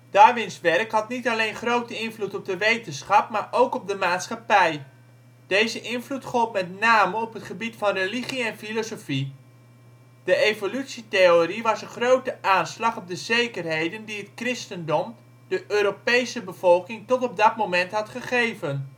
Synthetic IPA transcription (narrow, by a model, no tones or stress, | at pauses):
d̥aːʋɪnsʋɛrkɦɑtnitɑlejnχrowtəɪnvlutɔp̚dəʋejtənsχɑp̚maːɹʔowkɔp̚dəmaːtsχɑpɛj | d̥ejzəʔɪnvlutχɔlˠpmɛtnaːməɔpɦətχəbitfɑnrəliχiɛnfilosofi | d̥əejvolytsiteoriʋɑsənχrowtəʔaːnslɑχɔp̚dəzejkərɦejdəndiɦətkrɪstəndɔm | d̥əʔøːɾopejsəbəv̥ɔlˠkɪŋtɔtɔb̚dɑtmowmɛntɦɑtχəχejvən